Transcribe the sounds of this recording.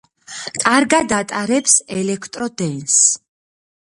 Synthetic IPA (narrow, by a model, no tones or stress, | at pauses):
kʼaɾɡad̪at̪ʼaɾɛpsɛlɛkʰt̪ʼɾɔd̪ɛns